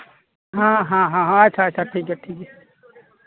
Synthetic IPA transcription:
ɦãɦãɦãɦãat͡ʃʰaːt͡ʃʰaʈʰiːk̬ɛʈʰiːkɛ

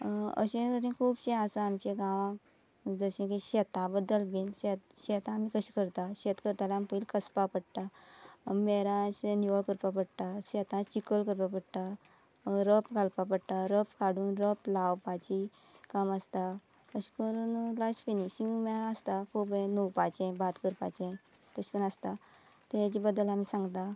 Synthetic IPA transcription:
ə̰ɕẽəɾĩkʰuːbɕẽasaamt͡ɕeɡãʋã | d͡zəɕẽk̬iɕɛt̪ãbəd̪ːəlbinɕɛt̪̚ɕɛt̪ãːmikəɕi̥kəɾt̪aɕɛt̪kəɾt̪alampəilkəspapəɽt̪a | mɛɾãsniʋəɭkəɾpapəɽt̪aɕɛt̪ãt͡ɕikəlkəɾpapəɽt̪a | ɾəpkalpapəɽt̪aɾəpkaɽuːnɾəplawpat͡ɕi | kaməst̪a | əɕpəɾnlasfenisiŋɡmɛəst̪akʰubẽnuwpat͡ɕɛ̃bat̪kəɾpa̰t͡ɕɛ̃ | t̪əɕi̥pənəst̪a | t̪ed͡ʑibəd̪ːəlamiːsãŋɡt̪a

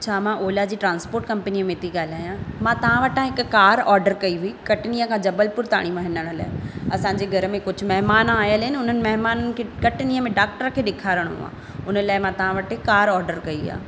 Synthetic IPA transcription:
t͡ɕʰaːmãʔoːlad͡ʑiːʈɾãːnspoːɾʈkɐ̃mpniːmẽt̪ʰiɠaːlaːjãmãt̪ɐʋ̤ãʋɐʈãɦɪkkaːɾɔːɾɖəɾkɐiɦuikɐʈnijəkʰãd͡ʑɐbəlpʊɾt̪a̰ːɽ̃iʋɐɦɪ̃nəɽ̃ʊla̰ːɦɪɐsãːɲd͡ʑeɡʱɐɾəmẽkʊd͡ʑʱʊ̆mɐɦmaːnaːjəlɦɪnɪʊn̤ənɪ̆mɐɦmaːnənɪ̆kʰekɐʈniːəmẽɖaːk̚ʈəɾkʰeːɗɪkʰaːɾəɽ̰̃ɦʊ̰ã̰ː | ʊnəlaːɪmãt̪ɐʋãʋɐʈɪkaːɾɔːɾɖəɾkɐia̰ː

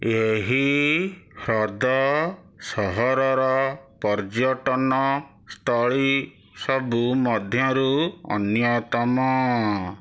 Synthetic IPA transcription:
eɦi | hɾɔd̪ɔ | sɔɦɔɾɔɾɔpɔɾd͡ʒjɔʈɔnɔ | st̪ʰɔɭi | sɔbumɔd̪ʱjɔɾuɔ̰njɔt̪ɔmɔ

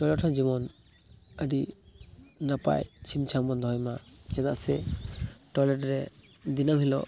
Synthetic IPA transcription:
ʈɔjlɛʈʰɔɾd͡ʒibɔn | əɖi | napa̰jt͡ʃʰimt͡ʃʰambɔnd̪ɔɦɔjmat͡ʃɛd̪aʔsɛ | ʈɔjlɛʈɾɛ | d̪inamɦilɔ̰ʔ

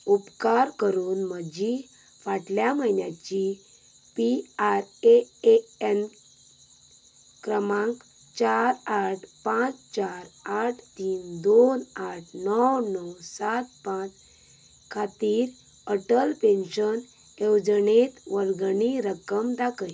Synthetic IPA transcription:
upkaɾkəɾuːnməd͡ʑi | faʈljaməjnjat͡ɕi | piaɾeeen | kɾəmãŋk | t͡ɕaɾaʈʰpãt͡st͡ɕaɾaʈʰt̪iːnd̪onaʈʰnɔwnɔwsat̪̚pãt͡s | kʰat̪iːɾ | əʈəlpẽnɕən | ewd͡znet̪ʋəɾɡɳiɾəkəmd̪akəj

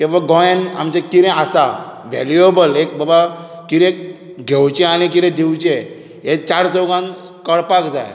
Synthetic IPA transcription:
kĩʋaɡɔ̃ena̰mt͡ɕekiɾɛ̃asaʋɛ̰liobəlek̚bəba | kiɾẽk̚ | ɡʱewt͡ɕẽañik̬iɾɛ̃d̪ʱiwt͡ɕẽ | ɦet͡ɕaɾsɔɡãn | kəɽpakd͡za̰j

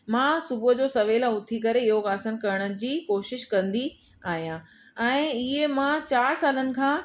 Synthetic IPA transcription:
mãːsʊbʊd͡ʑoːsɐʋeːlʊt̪ʰikɐɾeɪɦoɣaːsən̆kɐɾəɽ̃əd͡ʑiːkoːʃɪʃkɐ̃nd̪i | aːɦijã | ɛ̃ːɪɦemãt͡ɕaːɾsaːlənɪ̆kʰãː

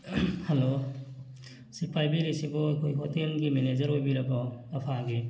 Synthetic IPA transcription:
halo | sipʰajbiɾesibɔajkʰojɦotelɡimened͡ʒɐɾhojbiɾɐbɔːpʰaɡi

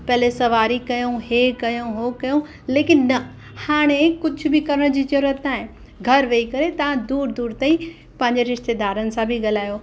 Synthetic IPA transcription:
pɐɦlesɐʋaːɾikɐjõɦeːkɐjõɦoːkɐjõ | leːkɪnːɐ | haːɽ̃ekʊd͡ʑʱʊ̆bɪkɐɾəɽ̃d͡ʑiːt͡ɕɐɾət̪aːɦɪ̃n | ɡʱɐɾʋeikɐɾet̪ɐʋ̤ãd̪uːɾd̪uːɾt̪aːĩ | pɐ̃ɦɪ̃ɲd͡ʑeɾɪʃt̪eːd̪aːɾənɪ̆sãbʱɪɡɐl̤aːjoː

